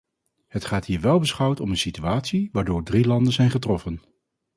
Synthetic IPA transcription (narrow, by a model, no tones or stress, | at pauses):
ɦətχaːtɦiːɹʋɛlˠbəsχʌwtɔmənsityaːtsiʋaːɹdoːɹdrilɑndənzɛjnχətrɔfən